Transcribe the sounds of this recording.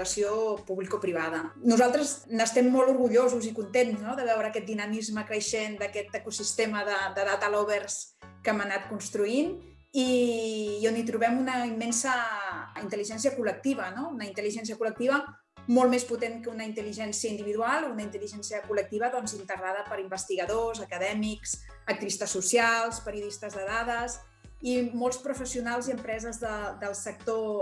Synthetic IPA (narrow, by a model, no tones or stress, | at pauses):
əsiopuβlikopɾiβ̞aðənuzalˠt̪ɾəznəst̪ɛmːɔlˠuɾɣuʎozuzikunt̪enznoðəβ̞ɛwɾəːkɛt̪̚d̪inəmizməkɾəʃend̪əkɛt̪əkusist̪eməðəd̪əðat̪alɔβərs | kɛmənat̪̚kunst̪ɾuin | i | onit̪ɾuβɛmunəimːɛnsəint̪əliʒɛnsiəkulək̚t̪iβ̞ənounəint̪əliʒɛns̬iəkulək̚t̪iβə | molˠmesput̪eŋkəunəint̪əliʒɛnsiəind̪iβiðualˠunəint̪əliʒɛnsiəkulək̚t̪iβəðɔnzint̪əɣɾaðəpəɾimbəst̪iɣəðozəkəðɛmiks | ək̚t̪iβist̪əsːusialˠspəɾiuðist̪əzðəðaðəs | imolˠspɾufəsiunalˠziəmpɾɛzəzðəd̪əlˠsək̚t̪o